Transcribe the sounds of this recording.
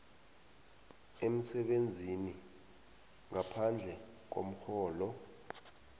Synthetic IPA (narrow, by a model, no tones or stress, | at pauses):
em̩sɛɓend͡zʱini | ŋapʰand͡ɮʱɛ | k̬o̰m̩xɔːlɔ